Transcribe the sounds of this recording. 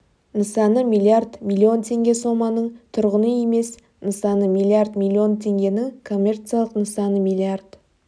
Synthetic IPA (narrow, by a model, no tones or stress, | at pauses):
nəsɑnəmʲijlˠiard̪mʲilʲːio̞nt̪ʰe̞ŋɡʲe̞so̞mɑnəɴt̪ʰʊɾʁənəje̞me̞s | nəsɑnəmʲilˠiard̪mʲilʲˠːio̞nt̪ʰe̞ŋɡʲe̞nɪŋkʰo̞mʲːe̞rt̪sijalˠəqnəsɑnəmilˠiard̪